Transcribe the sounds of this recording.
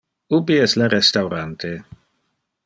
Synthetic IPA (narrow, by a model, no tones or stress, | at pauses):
ubiɛslaɾɛst̪awɾant̪ʰe